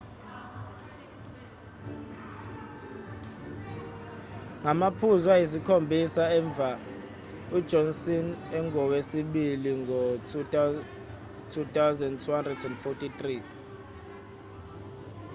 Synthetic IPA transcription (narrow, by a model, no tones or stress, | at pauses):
ŋamapʰuzwajis̬ikʰombʱisaɛɱb̪vʱa | ud̥d͡ʒʱɔnsinɛŋʱɔwesiɓiliŋɔ | tʰutʼawzɛntʰuhandrɛdɛndfɔtʰʼitri